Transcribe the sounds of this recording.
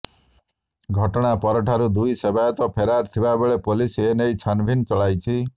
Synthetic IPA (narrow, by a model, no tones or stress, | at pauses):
ɡʱɔʈɔɽ̃apɔɾɔʈʰaɾud̪ujsebajɔt̪ɔpʰeɾaɾt̪ʰibabeɭepolisenejt͡ʃʰanbʱint͡ʃɔɭajt͡ʃʰi